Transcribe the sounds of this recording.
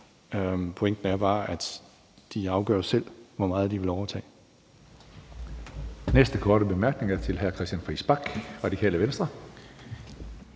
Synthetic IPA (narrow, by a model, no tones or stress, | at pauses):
mpʰo̽eŋ̰d̥n̩æɐb̥ɑ̈ːʔæd̥ | d̥iɑ̈ʊɡ̥ɶ̰ɐ̰sel̰ʋɒmɑ̈ːð̞̩ˠd̥iʋe̝lɒʊɐt͡sʰɛ̰ː | nesd̥əkʰɒːɾ̥əb̥e̝mæɐɡ̥ne̝ŋæɐt͡sʰe̝lɦæɐkʰʁɛsd̥jænfʁisb̥ɑ̈ɡ̥ʁɑ̥̈ikʰɛ̰ːləʋensd̥ʁɐ